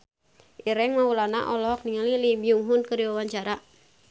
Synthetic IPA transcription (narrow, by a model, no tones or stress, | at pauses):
ʔiɾɛŋmaulana̰ʔɔlɔk̚niŋalilibiuŋɦunkəɾiwawaɲt͡ʃaɾa